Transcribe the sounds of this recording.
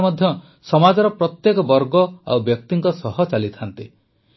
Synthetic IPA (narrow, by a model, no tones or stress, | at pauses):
mɔd̪ʱjɔ | sɔmad͡ʒɔɾɔpɾɔt̪jekɔbɔɾɡɔa̰wbjɔk̚t̪iŋkɔsɔɦɔt͡ʃalit̪ʰant̪i